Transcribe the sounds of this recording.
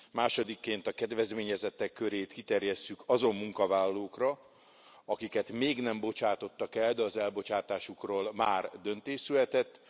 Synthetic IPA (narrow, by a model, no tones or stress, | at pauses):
maːʃo̞d̪ikːeːnt̪ɒkɛd̪ʋɛzmeːɲɛzɛt̪ːɛkːøɾeːt̪kit̪ɛrjɛst̪ykʰɒzo̞mːuŋkɒvaːlːoːkrɒ | ɒkikɛt̪meːɡnɛmbo̞t͡ʃaːt̪o̞t̪ːɒkɛld̪ɛɒzɛlbo̞t͡ʃaːt̪aːʃukroːlmaːrd̪ønt̪eːʃsylɛt̪ɛt̪ː